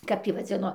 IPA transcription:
kɐp ˈtʲiː ʋɐˈd͡zʲɪnoː

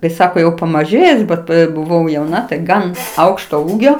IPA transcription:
kɐɪ ˈsɑːkoː jɛʊ pɐmɐˈʒʲeːjʊs ˈbʲɛt bʊˈʋɐʊ jɛʊˈnɐ tɐɪ ˈɡɐn ˈɐʊkʃtoː ˈuːɡʲoː

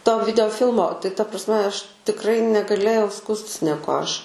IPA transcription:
toː ʋʲɪdʲɛoːˈfʲɪlˠmoː tɐɪ tɐ prɐsʲˈmʲɛ ˈɐʃ tʲɪkˈrɐɪ nʲɛɡɐˈlʲeːjɛʊ ˈskuːsʲtʲɪs nʲɛˈkuɔ ˈɐʃ

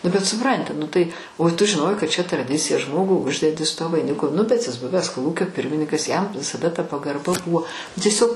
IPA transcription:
nʊ bʲɛt sʊˈprɐnʲtʲɪ nʊ tɐɪ oː tʊ ʒʲɪˈnoːjɛɪ kɐt t͡ʃʲɛ trɐˈdʲɪt͡sʲɪjɛ ˈʒmoːɡʊ ˈʊʒʲdʲɛdʲɪ sʊ tuɔ ʋɐɪˈnʲɪkʊ nʊ bʲɛt jɪs ˈbʊʋʲɛs koːˈlˠuːkʲoː ˈpʲɪrʲmʲɪnʲɪkɐs jɛm ʋʲɪsɐˈdɐ tɐ pɐɡɐrˈbɐ ˈbʊʋoː tʲiɛˈsʲoːk

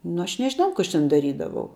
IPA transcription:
nʊ ˈɐʃ nʲɛʒʲɪˈnɐʊ kʊ ˈɐʃ tʲɛn dɐˈrʲiːdɐʋɐʊ

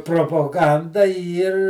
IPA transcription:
proːpoːˈɡɐndɐ ˈiːr

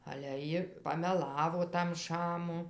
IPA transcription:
ɐlʲɛ ˈjɪ pɐmʲɛˈlˠɑːʋoː tɐm ˈʃɑːmʊ

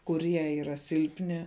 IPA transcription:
kʊˈrʲiɛ iːˈrɐ ˈsʲɪlʲpʲnʲɪ

